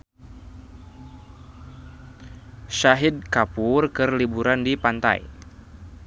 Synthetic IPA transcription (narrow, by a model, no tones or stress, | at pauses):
ʃaɦid̪̚kapurkɨrlibuɾandipant̪a̰j